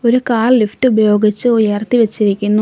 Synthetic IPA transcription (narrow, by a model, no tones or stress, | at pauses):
o̞ɾukaːlliftɨubɐjo̞ːɡit͡ɕːɨujɐrt̪iʋɐt͡ɕːiɾikʲːunːu